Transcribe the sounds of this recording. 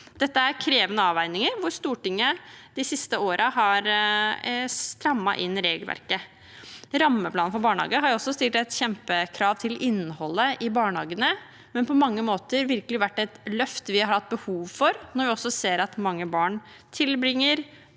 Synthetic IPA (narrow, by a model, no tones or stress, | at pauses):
d̪̥ɛt̪ːəæɾkʰɾeːʋənəɑːʋæɪnɪŋəɾʋʊɾst̪uːʈɪŋːəd̪̥ɪsɪst̪əoːɾʔɑɦɑɾ | st̪ɾɑmːɑ̰ʔɪnːɾeːɡlʋæ̰ɾkə | ɾɑmːəpʰlɑːnfɔɾbɑːɳhɑ̰ːɡəɦɑɾjɔsːɔst̪ɪːlʈæɪt̪çɛmpəkʰɾɑːʋt̪ʰɪlɪnːhɔlːəʔɪbɑːɳhɑ̰ːɡənə | mɛnpʰɔmɑŋːəmoːt̪əɾʋɪɾkəlɪʋæʈːɛt̪lœft̪əʋɪhɑɾɑɾhɑt̪̚ːbəhuːʋfɔɾnɔɾʋɪɔsːɔseːɾɑt̪mɑŋːəbɑːɳ | t̪ʰɪlbɾɪŋːəɾ